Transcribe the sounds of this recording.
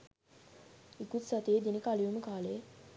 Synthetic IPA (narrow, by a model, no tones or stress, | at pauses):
ikut̪sat̪eːd̪inəkaliʋuməkaːləe